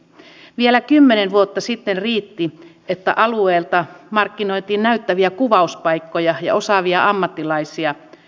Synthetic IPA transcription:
ʋielækymːenenʋuot̪ːɑsit̪ːenriːt̪ːi | et̪ːæ̰ʔɑlueːlt̪ɑmɑrkːino̞it̪iːnnæyt̪ːæʋiækuʋɑuspɑikːojɑjɑ̰o̞sɑʋiɑʔɑmːɑt̪ːilɑisiɑ

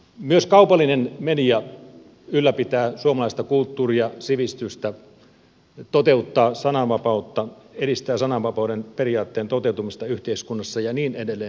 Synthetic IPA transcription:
myøskɑupɑlːˑinenmenijɑ | ylːæpit̪æːsuomɑlɑˑist̪ɑkult̪ːuːriɑsiʋist̪yst̪æ | t̪ot̪eut̪ːɑːsɑnɑʋɑpɑut̪ːɑeɾist̪æːsɑnɑʋʋɑpɑudenperijɑːt̪ːeːnt̪ot̪eut̪umist̪ɑyht̪eiskunːɑsːɑjɑniːnedelːeːn

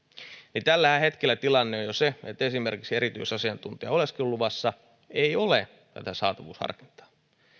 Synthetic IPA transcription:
nit̪ælːæhæhet̪kelːæt̪ilɑnːeojoseet̪ːesimerkiksieɾit̪yisɑsiɑnt̪unt̪iɑ̰oleskilːuʋɑsːɑ | eiole | t̪æ̰t̪æsɑːt̪ɑʋṵːshɑ̰rkint̪ɑ̥ː

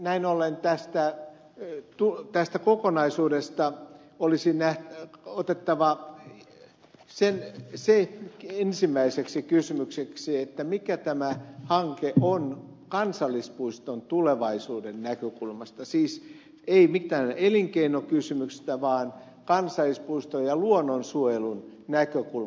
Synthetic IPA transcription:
næinolent̪æst̪æ | t̪ut̪æst̪ækokonɑisuːdest̪ɑ | olisinæhot̪et̪ːɑʋɑ | senseensimːˑæiseksikysymykseksiet̪ːæmikæt̪æmæhɑŋkeʔʔon | kɑnsɑlːˑispuist̪ont̪uleʋɑisuːdennækøkulmɑst̪ɑsiːs | eimikt̪ːæːneliŋkeinokysymykst̪æʋɑːn | kɑnsɑlːˑispuist̪ojɑluonːonsuojelun | nækøkul

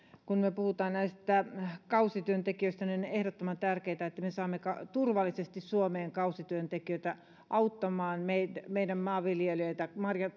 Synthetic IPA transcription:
kunmeøpuhut̪ɑːnnæist̪ækɑusit̪yønt̪ekiøist̪ænionehɾot̪ːomɑnt̪ærkeit̪æet̪ːæmesɑːmːekɑt̪urʋɑlːisest̪issuomeːŋkɑusit̪yønt̪ekiøit̪æ | ʔɑut̪ːɑmɑːnmeimeidæmmɑːʋiljeløit̪æmɑrjɑ

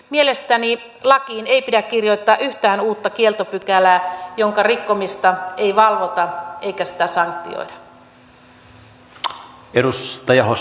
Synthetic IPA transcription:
mielest̪æni | lɑkiːne̞jpidækkirjoit̪ːɑːʔyht̪æːnuːt̪ːɑkie̞lt̪opykælæːjoŋkɑrikːo̞mist̪ɑe̞jʋɑlʋot̪ɑʔeikæsi̥t̪æsɑŋkt̪ḭo̰jdɑ | eɾust̪ɑjɑɦo

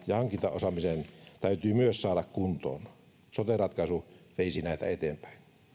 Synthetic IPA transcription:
jɑhɑŋkint̪ɑ̰ʔosɑmisent̪æyt̪yːmyøssɑːdɑkkunt̪o̰ːn | sot̪erɑt̪kɑsuʋeisinæˑit̪æ̰et̪eːmpæ̥ˑin

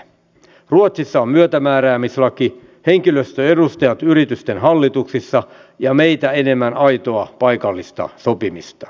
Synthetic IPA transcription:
ruot̪sisːɑommyøt̪æmæːɾæːmislɑki | he̞ŋkiløst̪øedust̪ejɑt̪yɾit̪yst̪enɦɑlːit̪uksisːɑ | jɑme̞it̪æene̞mːænɑjt̪o̞ɑpɑjkɑlːist̪ɑ̰so̞pimist̪ɑ̥

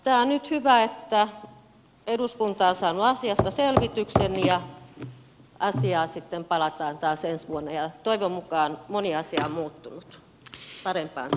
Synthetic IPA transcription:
t̪æːonnyt̪hyʋæet̪ːæ | eduskunt̪ɑːnsɑːnuɑsiɑst̪ɑselʋit̪yksenːijɑ | ɑsiɑːsit̪ːempɑlɑt̪ɑːnt̪ɑːsensʋuonːejɑt̪oiʋommukɑːnmoniɑsiɑommuːt̪ːunut̪ | pɑrempɑ̰ːns

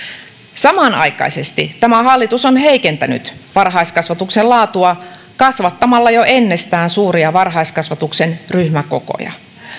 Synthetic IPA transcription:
sɑmɑnɑ̰jkɑ̰ise̞st̪it̪æmæhɑlːit̪usonhe̞ike̞nt̪æny̰t̪ʋɑrɦɑiskɑsʋɑt̪ukselɑːt̪uɑ | kɑsʋɑt̪ːɑmɑlːɑjoʔe̞nːe̞st̪æːnsuːriɑʋɑrɦɑiskɑsʋɑt̪uksenryhmæko̰ko̰jɑ̰

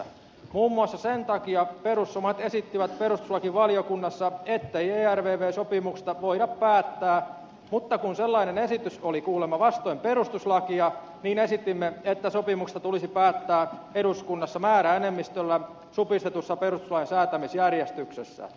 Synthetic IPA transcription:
muːmːuɑsːɑsent̪ɑkiɑpeɾusːomɑt̪esit̪ːiʋæt̪̚peɾust̪u̥slɑkiʋɑljokunːɑsːɑet̪ːeieːærʋeːʋeːsopimukst̪ɑʋoiɾɑppæːt̪ːæː | mut̪ːɑkunselːɑinenesit̪ysolikuːlemːɑʋɑst̪oimperust̪uslɑkiɑ | niːnesit̪ːˑimːeet̪ːæsopimukst̪ɑt̪ulisipæːt̪ːæːeduskunːɑsːɑmæːɾæenemːist̪ølːæ | supist̪et̪usːɑperust̪u̥slɑɑnsæːt̪æmisjærjest̪yksḛsːæ̰

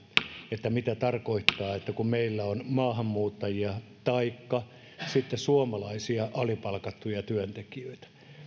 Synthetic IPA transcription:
et̪ːæmit̪æt̪ɑrkoit̪ːɑːet̪ːækummeilːæonmɑːhɑmːuːt̪ːɑjiɑt̪ɑikːɑ | sit̪ːesuomɑlɑisiɑʔɑlipɑlkɑt̪ːujɑt̪yønt̪ekiøit̪æ̥

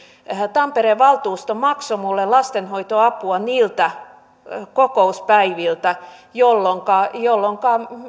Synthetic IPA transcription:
t̪ɑmpeɾeʋʋɑlt̪uːst̪omɑksomulːelɑst̪enhoit̪oɑpuɑniːlt̪æ | kokouspæiʋilt̪æjolːoŋkɑjolːoŋkɑ

